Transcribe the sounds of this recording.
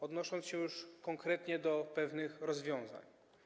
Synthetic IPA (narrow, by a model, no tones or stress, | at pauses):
ɔd̪nɔʂɔnt̪sɕɛjuʂkɔŋkɾɛt̪ɲɛd̪ɔpɛvnɘxɾɔzvʲjɔ̃w̃za̰ɲ